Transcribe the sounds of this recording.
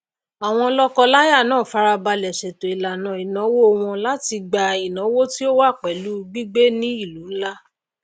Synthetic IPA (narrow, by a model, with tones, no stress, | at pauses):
a˨w̃ɔ̃˧lɔ˦kɔ˧la˦ja˦˨nãː˦˨fa˨˦ɾa˧ba˧lɛ˨ʃɛ˨to˨i˨la˨nã˨i˨nã˨˦wo˦o˧w̃ɔ̃˧la˦ti˧ɡ͡ba˨i˨nɔ̃˨˦wo˦ti˦o˦wa˦˨k͡pɛ˨lu˦ɡ͡bi˦ɡ͡be˦nĩ˦i˦˨lu˨˦n̩˦la˦